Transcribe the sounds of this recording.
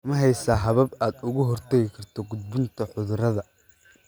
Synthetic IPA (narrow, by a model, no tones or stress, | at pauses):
mɐɦɛjsaːɦɐβɐbaːd̪ʊɣʊɦɔrt̪ʰɛɣɪkʰɐrt̪ʰɔɡʊd̪̚bʊnt̪ʰɐħʊðʊɾɐðɐ